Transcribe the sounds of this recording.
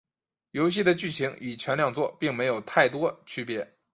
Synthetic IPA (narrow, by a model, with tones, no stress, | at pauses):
jo˧˥ʊɕi˥˩d̪ə˩t͡ɕy˥˩t͡ɕʰi˧˥ŋi˨˩t͡ɕʰɥɛ˧˥nljɑ˥˧ŋt͡swɔ˥˩pi˥˩ŋme˧˥ɪjo˨˩ʊt̪ʰa˥˩ɪt̪wɔ˥t͡ɕʰy˥pjɛ˧˥